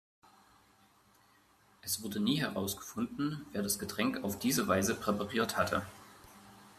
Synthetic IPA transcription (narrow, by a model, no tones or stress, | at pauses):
ʔɛsv̥ʊɐdəniːɦɛʁaʊsɡ̥ə̥fʊndn̩veːɐdasɡ̥ətʁ̥ɛŋkaʊfd̥iːzəvaɪzəpʁ̥ɛpaʁiːɐthatʰə̰